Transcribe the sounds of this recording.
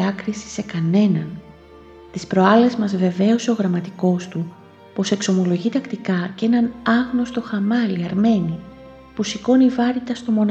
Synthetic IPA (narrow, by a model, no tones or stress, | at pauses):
ɐkɾisi̥se̞kɐne̞nɐn | t̪ispɾo̞ɐle̞zmɐzve̞ve̞oseo̞ɣɾɐmɐt̪iko̞st̪u | po̞se̞kso̞mo̞lo̞ʝit̪ɐkt̪ikɐce̞nɐnɐɣnost̪o̞xɐmɐliɐɾme̞ni | pusiko̞nivɐɾit̪ɐst̪o̞mo̞n